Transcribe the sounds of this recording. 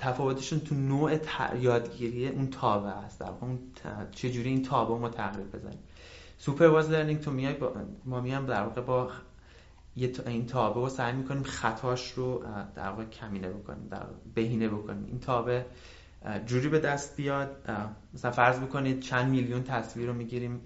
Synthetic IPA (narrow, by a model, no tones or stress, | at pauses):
t̪ʰæfɒːvo̞t̪ʰeʃunt̪ʰunoːʔet̪ʰjɒːd̪ɡiːɾijeʔunt̪ʰɒːbeæst̪d̪æ̰ɾvɒ̰ːɣeunt͡ʃʰe̞d͡ʒuːɾiiːnt̪ʰɒːbeomɒːt̪ʰæɣɾiɾbe̞̰zæ̰nɾḭm | supʰe̞ɾvɒzleɾniŋɡt̪ʰomijɒjbmɒːmijɒjmd̪æɾvɒːɣe̞bɒ | jet̪ʰint̪ʰɒːbeosæjmiːkʰo̞niːmxæt̪ʰɒːʃrod̪̥æ̰ɾvɒːɣecʰæmiːnebokʰo̰nḭmd̪æ̰ɾ̰be̞ɦiːnebo̞kʰoniːmḭnt̪ʰɒːbe | d͡ʒuːɾiːbe̞d̪æst̪̚bijɒːd̪̚mæsælænfæɾzmikʰo̞niːd̪̥̚t͡ʃʰænd̪miljunt̪ʰæsviːɾomiːɟiːɾiːm